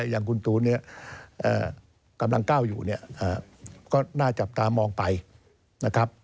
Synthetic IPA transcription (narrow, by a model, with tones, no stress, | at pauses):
jaː˨˩ŋkʰu˧nt̪uː˧ni˥˩ɐʔəː˨˩ | ka˧mla˧ŋkaː˥˩wjṵː˨˩ni˥˩ɐʔaː˨˩kɔː˥˩naː˥˩t͡ɕa˨˩p̚t̪aː˧mɔː˧ŋpa˧j | na˦˥kʰa˦˥p̚